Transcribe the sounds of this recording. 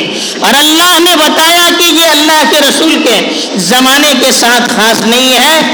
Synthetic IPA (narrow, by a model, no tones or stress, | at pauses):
ɔːɾɐlːaːɦnebɐt̪aːjakijeɐlːaːɦkeɾɐsuːlke | zɐmaːnekesaːt̪ʰxaːsnɐɦĩɦɛː